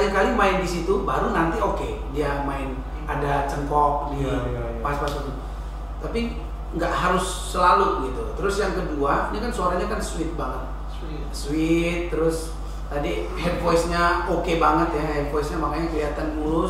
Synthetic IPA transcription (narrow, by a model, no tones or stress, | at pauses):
alikalimaɪndisit̪ubaɾunant̪ioke | diamaɪn | adat͡ʃəŋkɔk̚ni | paaspaspat̪i | t̪ːapi | ŋɡaʔɦaɾʊsːəlaluɡit̪ut̪əɾʊsjaŋkəduaɲakansoaɾaɲakansuɪt̪̚baŋət̪̚ | swɪt̪ːəɾʊs | t̪adihɛd̚fɔisɲaokebaŋət̪jahɛd̚fɔjsɲamakaɲakəliɦat̪anmulʊ